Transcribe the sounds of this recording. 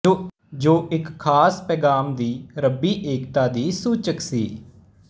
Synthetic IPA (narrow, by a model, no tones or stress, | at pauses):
d͡ʒoːʔɪkʰːaːspɛːɡaːmd̪iːɾəbiːʔeːkt̪aːd̪iːsuːt͡ʃəksḭː